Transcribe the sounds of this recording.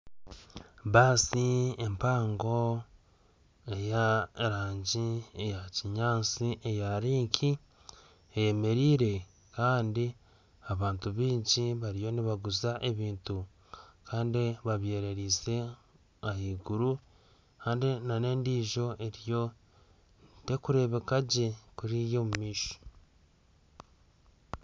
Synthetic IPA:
βaːsiempaːŋɡo̞ | e̞jaeɾaːɲɟiejaciɲaːt͡siʔejaɾiːŋkʰi | eje̞me̞ɾiːɾe̞ | kaːndi | aβaːntuβiːɲciβaɾijo̞niβaɡuzaʔe̞βiːntu | kaːndiβaβje̞ːɾe̞ɾiːze̞ | ahiːɡuɾu | kaːndinane̞ːndiːʒo̞ʔe̞ɾjo̞ | te̞kuɾe̞βe̞kaɟe̞kuɾijo̞mumiːʃo̥

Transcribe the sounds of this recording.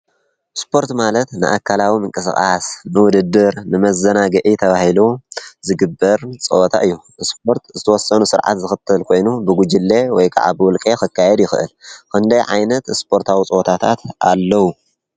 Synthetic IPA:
spʰo̞ɾt̪malɐt̪nɨ̰ʔa̰kʰːalawimɨŋkʼɨsxʼasnɨwʊd̪ɨd̪ːɨɾnɨmɐzɐnaɡɨʔit̪ʰɐβahiluzɨɡɨbːɐɾt͡sʼɨ̰ʔɔt̪ʰa̰ʔɨjːu | ɨspʰo̞ɾt̪zɨt̪ʰɐwɔsːɐnusɨɾʕa̰t̪zɨxɨt̪ʰːɨlkʰo̞jnubɨɡud͡ʒɨlːe̞wɔjkʰa̰ʕa̰bɨwɔlkʼexɨkʰːajɛd̪jɪxɨɨ̰lkʰɨnd̪ɐjʕa̰jnɐt̪spʰo̞ɾt̪ʰawit͡sʼɨʔot̪ʰat̪ʰat̪ʰʔalːɐwu

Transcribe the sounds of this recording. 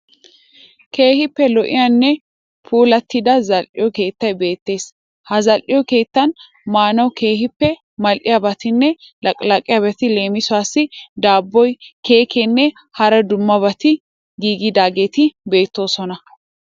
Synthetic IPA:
ke̞ːhɪpːɛlɔʔɪ̰janːɛ | pʰuːlɐt̪ːɪd̪ɐzɐlʔɪ̰jɔke̞ːt̪ːɐjbe̞ːt̪ːe̞ːs | hɐzɐlʔɪjɔke̞ːt̪ːɐn | maːnɐwke̞ːhɪpːɛ | mɐlʔɪjɐbɐt̪ɪnːɛlɐkʼlɐkʼːɪjabɛt̪ɪle̞ːmɪsʊaːsːɪd̪aːbːɔjke̞ːkʰɛnːɛ | hɐɾɐd̪ʊmːɐbɐt̪ɪ | ɡiːɡɪd̪aːɡe̞ːt̪ɪbe̞ːt̪ːo̞ːsɔnɐ

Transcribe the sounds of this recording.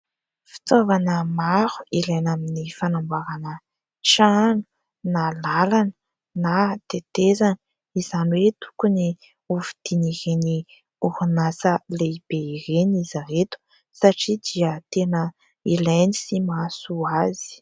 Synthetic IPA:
fi̥t͡s̪ovanəmaɾu̥ilajnaminifanambaɾanə | ʈ͡ʂanu̥ | nalalanə | nat̪et̪ezani | izanwet̪u̥kuni | uvid̪̥iniɾeni | uhunasəleib̥eiɾenizaɾet̪u̥ | saʈ͡ʂid̪iət̪enə | ilajnisimasuazi̥

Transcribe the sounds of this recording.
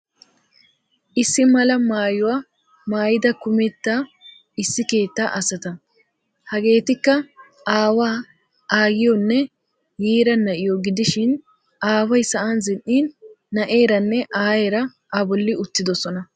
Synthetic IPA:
ʔɪsːɪmɐlɐmaːjʊwaː | maːjɪd̪ɐkʊmɛt̪ːaː | ɪsːɪke̞ːt̪ːaːʔɐsɐt̪ɐ | hɐɡe̞ːt̪ɪkːɐ | aːwaː | aːɡɪjɔnːɛ | jiːɾɐnɐʔɪjɔɡɪd̪ɪʃɪn | ʔaːwɐjsɐʔanzɪnʔiːnː | ɐʔe̞ːɾɐnːɛʔaːje̞ːɾɐ | ʔɐbɔlːɪʊt̪ːɪd̪ɔsɔnɐ

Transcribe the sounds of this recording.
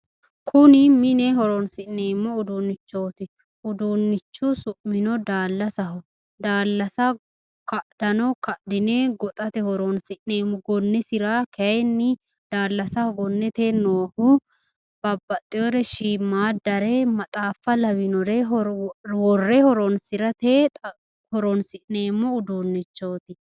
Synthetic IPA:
kʰʊnɪmɪnɛɦɔɾɔnsɪʔnːeːmːɔʊd̪uːnːɪt͡ʃːo̞ːt̪ɪ | ʊd̪uːnːɪt͡ʃːʊsʊʔmɪnɔd̪aːlːɐsɐɦɔ | d̪aːlːɐsɐ | kɐʔd̪̥ɐnɔkɐʔd̪ɪneːɡɔt̪ʼɐt̪ɛhɔɾɔnsɪʔneːmːʊɡɔnːɛsɪɾakɛjnːɪ | d̪̥aːlːɐsɐhɔɡɔnːɛt̪eːnoːhʊ | b̥ɐbːɐt̪ʼːɪɔɾɛʃiːmːaːd̪ɐɾɛmɐt̪ʼaːfːɐlɐbɪnɔɾɛɦɔwɔrːɛhɔɾɔnsɪɾɐt̪eː | hɔɾɔnsɪʔneːmːɔʊd̪uːnːɪt͡ʃːoːt̪ɪ

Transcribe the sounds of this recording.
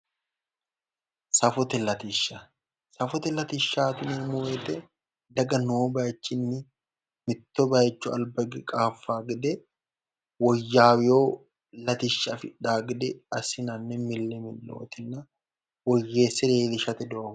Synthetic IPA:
sɐfɔt̪ɛlɐt̪ɪʃːɐ | sɐfɔt̪ɛlɐt̪ɪʃːaːt̪ɪnemʊwɛt̪ɛ | d̪ɐɡɐnoːbat͡ʃːɪnːɪ | mɪt̪ːɔbajɛt͡ʃːʊɐ̰lbɐɡɪkʼaːfːaːɡɪd̪ɛ | wɔjːaːwjoː | lɐt̪ɪʃːɐfɪᶑaːɡd̪ɛɐsɪnɐnːɛmɪlːɛmɪlːo̰ːt̪ɛnːɐ | wɔjːeːsːɛd̪eːd̪ɪʃɐt̪ɛd̪ɔʔɐ

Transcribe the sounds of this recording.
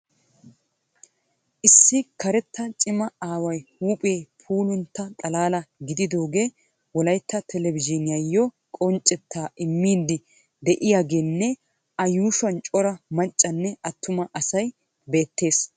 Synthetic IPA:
ʔɪsːɪkɐɾɛt̪ːɐt͡ʃʼɪmɐaːwɐjhuːpʼeːpʰuːlʊnt̪ːɐt̪ʼɐlaːlɐɡɪd̪ɪd̪o̞ːɡeː | wɔlɐjt̪ːɐt̪ʰɛlɛvɪd͡ʒɪnɪjɐjːɔ | kʼɔnt͡ʃʼːɛt̪ʰːaːɪmːiːd̪ːɪ | d̪ɛʔɪjaːɡeːnːɛ | ʔɐjuːʃɐnt͡ʃʼɔɾɐmɐt͡ʃʼːɐnːɛɐt̪ːʊmɐʔɐsɐj | be̞ːt̪ːe̞ːs

